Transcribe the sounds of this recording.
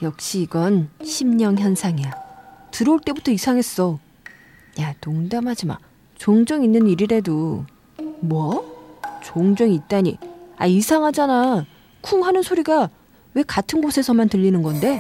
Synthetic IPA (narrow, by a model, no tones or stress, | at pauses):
jʌk̚ɕ͈iːɡʌnɕʰimɲʌŋçjʌnsʰaŋiatɯɾʌuɭt͈e̞butʰʌisʰaŋɦe̞s͈ʌ | jatoŋdamɦad͡ʑima̰ | t͡ɕoŋd͡ʑʌŋinːɯniɾiɾe̞dou | muʌ | t͡ɕoŋd͡ʑʌŋit̚t͈aɲḭa̰isʰaŋɦad͡ʑana | kʰumɦanɯnsʰoɾiɡa | we̞katʰɯnɡosʰe̞sʰʌmantɯʎːinɯnɡʌnde̞